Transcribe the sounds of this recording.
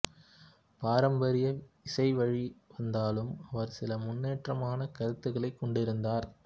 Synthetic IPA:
paːɾɐmbɐɾɪjɐ | ɪsɐɪʋɐɻiʋɐnd̪aːlɯmɐʋɐɾsɪlɐmʊnːeːʈrɐmaːnɐkɐɾɯt̪ːɯɣɐɭɐɪkːɔɳɖɪɾɯnd̪aːɾ

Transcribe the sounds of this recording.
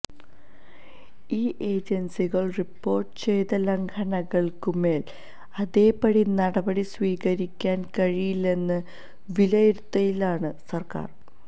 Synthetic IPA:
iːʔe̞ːd͡ʑɐnsiɣɐɭripːo̞ːrʈɨ̥t͡ɕe̞jt̪ɐleŋɡʰɐnɐɣɐɭkume̞ːl | ɐðe̞ːpɐɽinɐɽɐbɐɽisʋiːɣɐɾikʲːaːnkɐɻijilːe̞nːɨ | ʋilɐjiɾut̪ːɐjilaːɳɨsɐrka̰ːr

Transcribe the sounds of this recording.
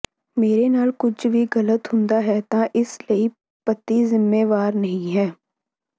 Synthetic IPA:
meːɾenaːlkʊt͡ʃʰbʱiɣɐlət̪ɦʊ̃nd̪aɦɛt̪ãʔɪsləi | pɐt̪ːizɪmːeːʋaːɾnɐɦĩɦɛː

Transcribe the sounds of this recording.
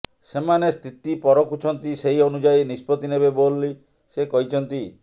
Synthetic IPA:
semanest̪ʰit̪ipɔɾɔkut͡ʃʰɔnt̪iseɦionud͡ʒajnispɔt̪inebebolːi | sekɔɦit͡ʃʰɔnt̪i

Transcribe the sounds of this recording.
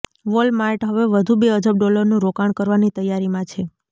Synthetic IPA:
ʋolmaiʈɦəʋeʋəd̪ʱubeəd͡ʒəb̚ɖɔləɾnũɾokaɳ̃kəɾʋanit̪əjaɾimãt͡ʃʰe

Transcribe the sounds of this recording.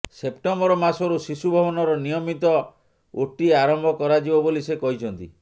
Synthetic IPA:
sepʈɔmbɔɾɔmasɔɾusisubʱɔbɔnɔɾɔnijɔmit̪ɔ | oʈiaɾɔmbʱɔkɔɾad͡ʒibɔbolisekɔɦit͡ʃʰɔnt̪ḭ

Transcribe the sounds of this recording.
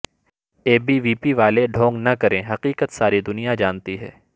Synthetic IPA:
eːbiʋiːpiʋaːleɖʱõːŋɡnɐkɐɾẽɦɐqiːqət̪saːɾid̪ʊnijad͡ʒaːnt̪iɦɛ̰ː

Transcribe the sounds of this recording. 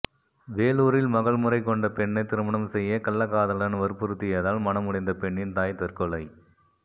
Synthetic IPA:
ʋeːluːɾɪlmɐɣɐɭmɯɾɐɪkːɔɳɖɐpɛɳːɐɪt̪ːɪɾɯmɐɳɐmsɛjːɐkɐlːɐkːaːðɐlɐnʋɐɾpɯɾɯt̪ːɪjɐðaːlmɐnɐmʊɽɐɪnd̪ɐpɛɳːɪnt̪aːjt̪ɐɾkɔɭɐɪ

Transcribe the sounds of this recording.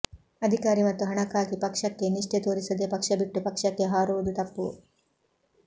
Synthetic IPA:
ɐd̪ʱikaːɾimɐt̪ːuɦɐɳɐkaːɡipɐkʂɐkːeniʂʈet̪oːɾisɐd̪eːpɐkʂɐbiʈːupɐkʂɐkːe̞ɦaːɾuʋɐd̪ut̪ɐpːu

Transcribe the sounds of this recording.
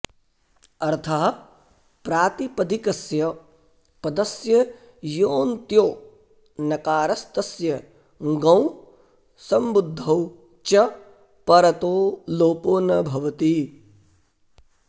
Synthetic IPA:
ɐɾt̪ʰɐɦɐ | pɾaːt̪ipɐd̪ʱikɐsjɐ | pɐd̪ɐsjɐ | joːnt̪joː | nɐkaːɾɐst̪ɐsjɐ | ɡɐ̃w̃ | sɐmbud̪ʱːɐw | t͡ʃɐ | pɐɾɐt̪oːloːpoːnɐbʱɐʋɐt̪i

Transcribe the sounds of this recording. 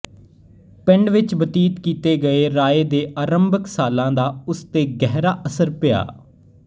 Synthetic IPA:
pɪ̃ɳɖʋɪt͡ʃbət̪iːt̪kiːt̪eːɡəeːɾaːeːd̪eːʔaːɾəmbəksaːlãːd̪aːʊst̪eːɡɛːɦɾaːʔəsəɾpɪja̰ː

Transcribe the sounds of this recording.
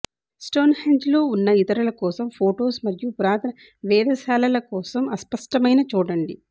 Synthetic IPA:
sʈo̞ːnheɳd͡ʒloːunːɐit̪ɐɾulɐkɔːsɐmpʰoːʈo̞ːsmɐɾjupuɾaːt̪ʰɐnɐ | ʋɛːd̪ʱɐsaːlɐlɐkɔːsɐmɐspɐʂʈɐmɐjnɐt͡ʃuːɽɐɳɖi

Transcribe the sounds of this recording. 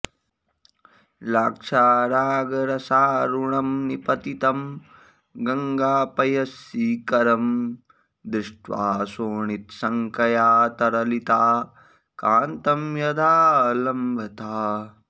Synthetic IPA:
laːkʂaːɾaːɡɐɾɐsaːɾuɳɐmnipɐt̪it̪ɐm | ɡɐŋɡaːpɐjɐsiːkɐɾɐm | d̪ɾɪʂʈʋa̰ːsoːɳit̪sɐŋkɐjaːt̪ɐɾɐlit̪aː | kaːnt̪ɐmjɐd̪aːlɐmbʱɐt̪aː

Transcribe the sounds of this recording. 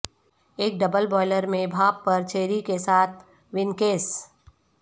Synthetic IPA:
eːk̚ɖɐbəlbɔːɪləɾmẽbʱaːbpːɐɾt͡ʃʰeːɾikesaːt̪̚ʰ | ʋɪnkeːs

